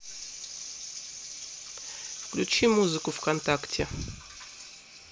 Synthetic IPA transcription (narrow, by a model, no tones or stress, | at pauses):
fklʲut͡ɕimuzɨkʊfkɐnt̪aktʲʰɪ